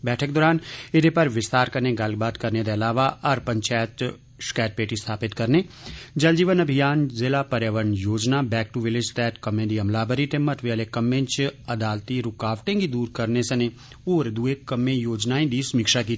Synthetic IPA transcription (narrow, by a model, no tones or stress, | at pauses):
bɛːʈʰək̚d̪ɔːɾaːnɪd̪epɐɾʋɪst̪aːɾkəɾnẽɡɐlɡ̚baːt̪kɐɾnẽd̪eɐlaːʋaɐɾpə̃ɲt͡ʃaːjət̪ | ʃkɛːʈ̚peːʈist̪ʰaːpɪt̪kəɾned͡ʒɐld͡ʒiːʋənɐbʱɪjaːnzɪlapəɾjaːʋəɾnjoːd͡ʒnabɛːk̚ʈuʋɪlɪd͡ʒt̪ɛːʈkɐmːẽd̪iɐmlaːbəɾiʈ̪emːət̪ʋeəlekɐmːẽt͡ʃɐd̪aːlt̪iɾʊkaːʋʈẽŋɡid̪uːɾkəɾnesəne | oːɾd̪uekəmːẽjoːd͡ʒnaːẽd̪isʊmiːkʃakiː